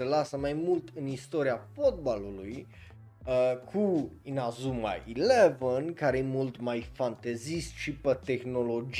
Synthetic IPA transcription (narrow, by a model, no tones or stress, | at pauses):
əlasəmajmult̪ɨnist̪oɾiafot̪̚baluluj | əkʰuinazuma̰ʔilevənkaɾejemult̪majfant̪ezist̪ʃipət̪exno̞lo̞d͡ʒ